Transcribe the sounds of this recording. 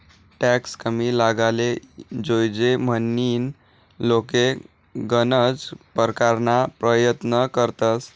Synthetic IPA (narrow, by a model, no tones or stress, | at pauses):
ʈɛkskəmilaɡaled͡zojd͡zem̤ənːiːn | loke | ɡənəd͡zpəɾkaɾnapɾəjət̪nəkəɾt̪əs